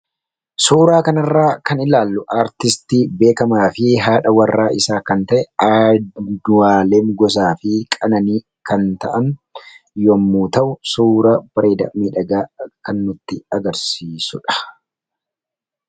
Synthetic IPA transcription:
suːɾaːkɐnɐrːaːkɐnɪlaːlːʊʔaːɾt̪ɪst̪iːbe̞ːkɐmaːfɪɦaːᶑɐwɐrːaːʔɪsaːkɐnt̪ɐʔɛad̪ʊwaːleːmɡɔs̬aːfɪkʼɐnɐniː | kɐnt̪ɐʔɐn | jɔmːuːt̪ɐʔʊsuːɾɐbɐɾeːd̪ɐ̰miːᶑɐɡaːkɐnːʊt̪ːɪɐɡɐɾsiːsʊᶑɐ̥

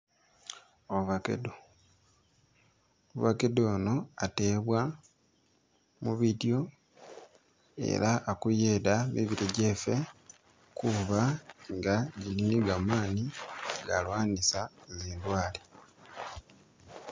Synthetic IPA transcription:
oβakḛdo | oβakedoːno̞ate̞ːβwa | muβidjo̞ | e̞̰ɾaʔːkujeːdamiβiɾeɟefe̞ | kuβaŋɡaɟiliniɡamaːniɡa̰lwaːnisaeziːndwaːli

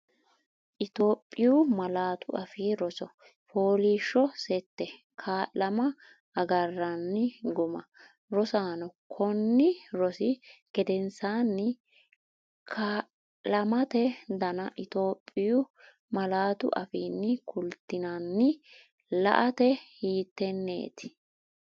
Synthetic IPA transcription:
ʔɪt̪o̞ːpʼːɪjʊmɐlaːt̪ʊɐfiːɾɔsɔ | foːliːʃːɔsɛt̪ːɛ | kʰaːlɐmɐ | ɐɡɐrːɐnːɪɡʊmɐ | ɾɔsaːnɔkʰɔnːɪɾɔsɪɡ̥ɛd̪ɛnsaːnːɪ | kʰaː | lɐmɐt̪ɛd̪ɐnɐʔɪt̪o̞ːpʼːɪjʊ | mɐlaːt̪ʊ̰ʔɐfiːnːɪkʰʊlt̪ːɪnɐnːɪ | lɐ̰ʔɐt̪ɛhiːt̪ːɛnːḛːt̪ɪ̥

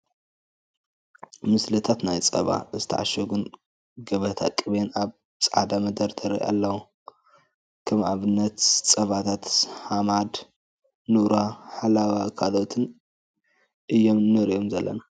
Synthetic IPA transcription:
mɨslɨt̪ʰat̪najt͡sʼɐ̰βa̰ɨzɨt̪ʰɐʔa̰ʃɐɡun | ɡɐβɐt̪ʰa̰kʼɨβenaβ | t͡sʼʕa̰d̪amɐd̪ɐɾt̪ʰɐɾɐ̰ʔa̰lːɐwu | kʰɐmʔa̰βɨnːɐt̪t͡sʼɐβat̪ʰat̪hamad̪ | nuɾaħalawakʰalot̪ʰɨn | ʔɨjːomnɨɾijomzɐlːɐ̰na

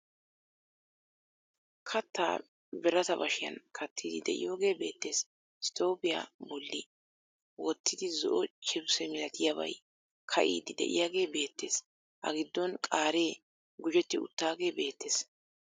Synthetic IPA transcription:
kʰɐt̪ːa̰ː | bɛɾɐt̪ɐbɐʃɪjɐ̰nkʰɐt̪ʰːiːd̪ɪd̪ɛ̰ʔɪ̰jo̞ːɡe̞ːbe̞ːt̪ːe̞ːs | ɪst̪o̞ːpɪja̰ːbɔlːɪ | wɔt̪ːɪd̪ɪzɔʔɔt͡ʃʼɪbsɛmɪlɐt̪ɪjabɐ̰j | kʰɐ̰ʔḭːd̪ɪd̪ɛ̰ʔɪ̰jaːɡe̞ːbe̞ːt̪ːe̞ːs | hɐ̰ɡɪd̪ːɔnkʼaːɾe̞ː | ɡʊd͡ʒɛt̪ːɪʊ̰t̪ːaːɡe̞ːbe̞ːt̪ːe̞ːs

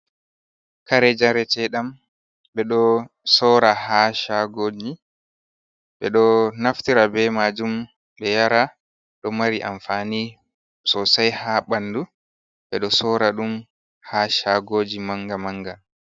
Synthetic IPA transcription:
kaɾɛd͡ʒaɾɛtɛɗam | ɓbɛɗɔ | sɔɾahaʃaɡoːd͡ʒi | ɓɛɗɔnaftiɾabɛmad͡ʒum | ɗɛjaɾa | ɗɔmaɾiʔa̰ɱfaːni | sɔsajhaɓanːdu | ɓɛɗɔsɔɾaɗum | haʃaɡoːd͡ʒimaŋɡamaŋɡa

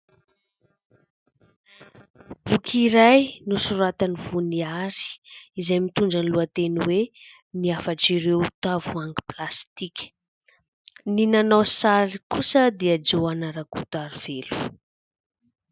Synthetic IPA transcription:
b̥ukʰiɾajnusuɾat̪anivuniaɾi̥izajmit̪uɳɖ͡ʐanluat̪eniwe | niafaʈ͡ʂiɾewt̪avuaŋɡi̥plast̪ikʲə̥ | ninanawsaɾikusəd̪eəd͡ʒewanaɾakut̪aɾiv̥elu̥

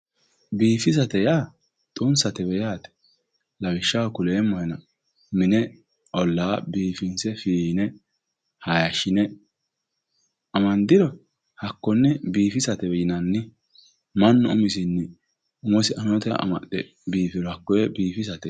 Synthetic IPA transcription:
biːfɪs̬ɐt̪ɛjaː | t̪ʼʊnsɐt̪ɛbɛjaːt̪ɛ̥ | lɐwɪʃːawkʊleːmːɔhɛnɐ | mɪnɛ | ʔɔlːaːbiːfɪnsɛfiːnɛ | hajɐʃɪnɛ | ɐmɐnd̪ɪɾɔ | hɐkːɔnːɛbiːfɪsɐt̪ɛbɛjɪnɐnːɪ | mɐnːɔ̰ʊmɪsɪnːɪ | ʊmɔsɪʔɐnɔt̪ɛ̰ɐ̰mɐ̰ʔɛ | biːfɪɾɔhɐkːɔjɛbiːfɪs̬ɐt̪ɛ

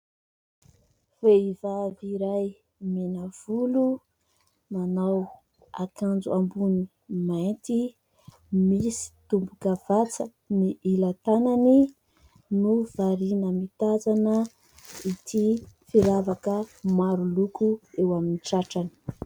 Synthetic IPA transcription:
v̥eivaviɾaj | menav̥ulu | nanaw | a̰kand͡zṵambuni | majnt̪i | misi̥t̪umbukav̥at͡sə | niʔilat̪anani | nuv̥aɾinəmit̪azanə | it̪ʰifiɾavakəmaɾulukuewaminiʈ͡ʂaʈ͡ʂani̥

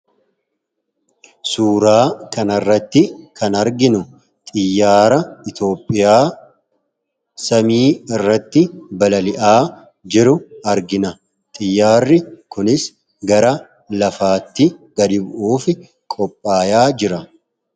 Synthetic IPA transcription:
suːɾaːkɐnɐrːɐt̪ːɪkʰɐnɐɾɡɪnʊ | t̪ʼɪjːaːɾɐɪt̪jo̞ːpʼːɪjaː | sɐmiːɪrːɐt̪ːɪbɐlɐlɪʔaː | d͡ʒɪɾʊɐɾɡɪnɐ | t̪ʼɪjːaːrːɪkʊnɪs | ɡɐɾɐ | lɐfaːt̪ːɪɡ̥ɐd̪ɪbʊʔuːfɪ | kʼɔpʼːaːjaːd͡ʒɪɾɐ

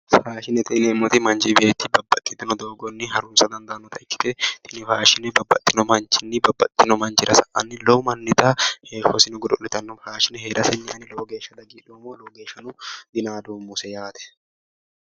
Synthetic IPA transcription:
faːʃɪnɛt̪ɪnɛmːɔt̪ɪmɐnd͡ʒibe̞ːt̪ːɪbɐbːɐt̪ʼːɪt̪ːɪnɔd̪oːɡɔnːɪɦɐɾuːnsɐd̪ɐnd̪ɐʔnːɔt̪ɐɪkːɪ̥t̪ɛt̪ɪnɪfaːʃɪnɛbɐbːɐt̪ʼːɪnɔmɐnt͡ʃɪnːɪbɐbːɐt̪ʼːɪnɔmɐnd͡ʒɪɾɐsɐʔɐ̰nːɪloːmɐnːɪt̪ɐheːfɔsɪnɔɡʊd̪ɔnːɪt̪ɐnːɔfaːʃɪnɛheːɾʔɐsɛɲːaːnɪloːɡe̞ːʃːɐd̪ɐɡiːᶑoːmoːloːɡe̞ːʃːɐnʊd̪ɪnaːd̪oːmːʊsɛjaːt̪ɛ̥

